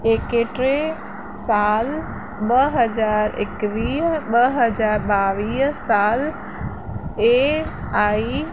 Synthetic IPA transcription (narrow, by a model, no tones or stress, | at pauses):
eːkeʈɾe | saːl | ɓɐɦɐzaːɾɪ̰kʋiːɦɓɐɦɐd͡ʑaːɾɓaːʋiːɦsaːl | e | aːi